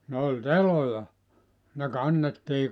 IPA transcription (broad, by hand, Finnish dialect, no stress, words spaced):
ne olʲ telojɑ ne kɑnːetːiː